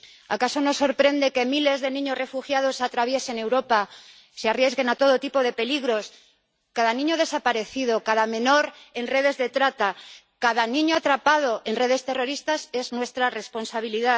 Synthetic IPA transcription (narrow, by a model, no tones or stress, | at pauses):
a̰kaso̞no̞sːo̞ɾpɾe̞nd̪e̞ke̞mile̞zðe̞nĩɲo̞zre̞fuxjaðo̞sat̪ɾaβje̞se̞ne̞wɾo̞pa | searjezɣe̞nat̪o̞ð̞o̞t̪ipo̞ðe̞pe̞liɣɾo̞s | kaðanĩɲoð̞e̞sapaɾe̞θiðo̞kaðamẽ̞no̞ɾe̞nre̞ð̞e̞zðe̞t̪ɾat̪a | kaðanĩɲoat̪ɾapað̞o̞e̞nre̞ð̞e̞st̪e̞ro̞ɾist̪ase̞znwe̞st̪ɾare̞spo̞nsaβ̞iliða